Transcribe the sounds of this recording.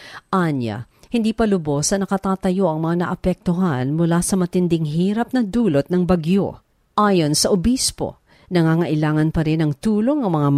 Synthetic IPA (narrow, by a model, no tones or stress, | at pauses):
ʔanjɐ̰ | hɪnd̪iːpɐlʊbo̞sɐnɐkɐt̪aːt̪ɐjo̞ʔɐŋmɐŋanɐʔɐpɛk̚t̪oɦanmʊlasɐmɐt̪ɪnd̪ɪŋɦiːɾɐp̚nɐd̪uːlot̪̚nɐŋbɐɡjo̞̰ | ʔaːjo̞nsɐʔʊbispo̞̰ | nɐŋaːŋɐʔɪlaːŋɐnpɐɾɪnɐŋt̪uːlo̞ŋɐŋmɐŋam